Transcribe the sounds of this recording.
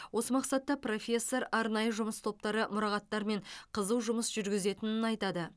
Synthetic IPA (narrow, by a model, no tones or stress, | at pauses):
wo̞səmɑqsɑt̪ːɑpro̞fʲe̞sːo̞ɾɑɾnɑjəʒʊməst̪ʰo̞p̚t̪ɑɾəmʊɾɑʁɑt̪ːɑɾme̞ɴqʰəzəwʒʊməsʒ̥ʏɾɡʲɪze̞t̪ɪnɪnɑjt̪ɑd̪ə